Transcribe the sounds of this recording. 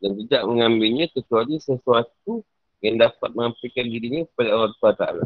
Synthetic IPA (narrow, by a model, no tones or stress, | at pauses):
dant̪idaʔ̚məŋãmbɪlɲãt̪ət͡ʃualisəsuat̪̚u | jaŋdapat̪̚məŋapikandiɾiɲãkə̥padaoɾaŋt̪uat̪a̰la̰